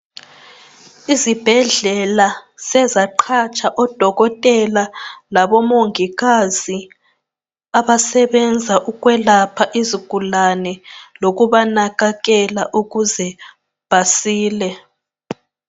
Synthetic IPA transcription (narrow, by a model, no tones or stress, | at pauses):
izib̥ʱɛɮɛlasɛzaǃʰat͡ʃʰʼaʔɔd̥ʱɔɣɔtʼɛlalaβɔmoŋiɣazi | aβasɛβɛnd͡zʱaʔuɣwɛlapʰaʔiziɡ̥ʱulanɛloɣuβanaɣaɣɛlaʔuɣuzɛ | b̥ʱasiːlɛ